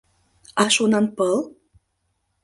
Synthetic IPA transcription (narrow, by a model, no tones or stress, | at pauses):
ɑʃunɑnpəl